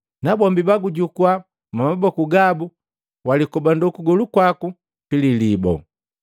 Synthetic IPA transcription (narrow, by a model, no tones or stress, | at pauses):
nabɔmbibaɡuɟukwa | mamabɔkuɡabu | walikɔbandɔkuɡɔlukwaku | pililibɔ̰